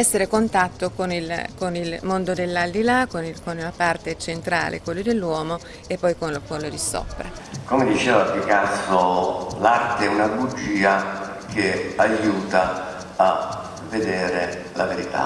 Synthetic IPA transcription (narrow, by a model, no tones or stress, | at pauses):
ɛsːeɾekont̪at̪ːokonilkonilmond̪od̪elːald̪ilakːonikonunapart̪et͡ʃent̪ɾa̰ːlʔḛkwelːod̪elːwɔːmo | epːɔjkonkonlod̪isɔ̰pːɾḛkomed̪it͡ʃɛːvapːikasolart̪eɛunabud͡ʒiːa | k̟eajuːt̪a | a | vːed̪ɛːɾe | laveɾit̪a̰